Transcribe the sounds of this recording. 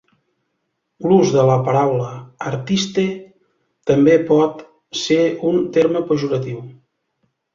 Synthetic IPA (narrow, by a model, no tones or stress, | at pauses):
luzðələpəɾawləːɾt̪ist̪e | t̪əmbepɔt̪ | seunt̪eɾməpəʒuɾət̪iw